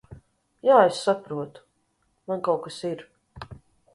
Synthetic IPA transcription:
jaːesːapɾuɔt̪u̥ | mankawkasiɾ

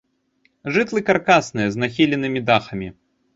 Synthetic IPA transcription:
ʐɨt̪lˠɨkarkasnɨjɐznaxʲilʲɛnɨmʲid̪axɐmʲi

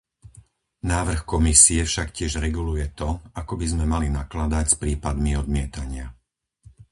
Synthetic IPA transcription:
naːʋr̩xkɔmisiɛfʃakcɪɛʒɾɛɡulujɛt̪ɔakɔbizmɛmalinaklad̪acspɾiːpad̪miɔd̪mɪɛt̪aɲɪa

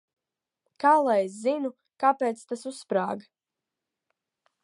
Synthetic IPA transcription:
kaːlˠajes̬zinu | kapeːt̪st̪asusːpɾa̰ːɡa

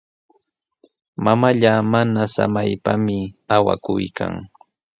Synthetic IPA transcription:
mamaʎamanasa̰majpamɪawa̰kʊjka̰ŋ

